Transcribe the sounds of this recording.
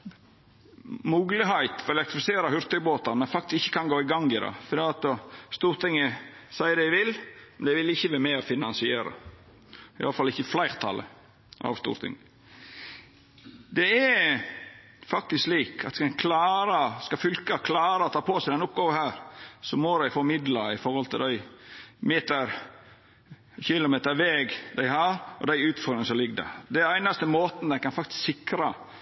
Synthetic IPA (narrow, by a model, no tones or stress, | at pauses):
muːɡlɪhæɪt̪ɔɾɛlɛkt̪ɾɪfɪseːɾəhʉɾt̪œboːt̪ɑmɛnfɑkt̪ɪsɪçːə̥kʰɑnɡoːɪɡɑŋɪd̪ɑ̰fɔɾd̪iːɑt̪st̪uːɾt̪ʰɪŋːəsæɪəd̪æɪʋɪlmɛnd̪æɪʋɪlɪçːəʋæːɾmɛɔfɪnɑnsɪeːɾə̰ | ɪʔɑ̰lːəfɑlːɪçːəflæɪɾt̪ʰɑ̰lə̰ | ʔɑ̰ʋst̪ṵːɾt̪ʰɪ̰ŋ | d̪ɛɛ | fɑk̚t̪ɪskliːkʰɑ̰t̪ːsɛnkʰlɑːɾəskɑfʏlkɑkʰlɑːɾəɔt̪ʰɑːpʰoːsæɪd̪ɛnʊp̚ɡoːʋəhæːɾsɔmod̪æɪfɔɾmɪd̪lɑɪfɔɾhɔlt̪ʰɪld̪æɪmeːt̪əɾ | çɪlʊmeːt̪əɾʋɛɡd̪æɪhɑɾɔ̰d̪æɪʉːt̪fɔɾd̪ɾɪŋsɔlɪɡːd̪ɛ̰d̪ɛæɪnɑst̪əmoːt̪nəd̪ɛnkɑnfɑk̚t̪ɪssɪkɾɑ